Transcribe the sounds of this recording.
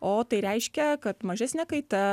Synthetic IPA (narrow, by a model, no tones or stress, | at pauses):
oːt̪ɐɪɾʲɛɪʃʲkʲɛkɐt̪mɐʒʲæːsʲnʲɛːkɐɪt̪ɛ